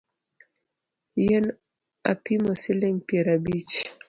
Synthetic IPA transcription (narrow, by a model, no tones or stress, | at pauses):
jɛn | a̰pimɔsilɛŋpiɛɾabit͡ʃ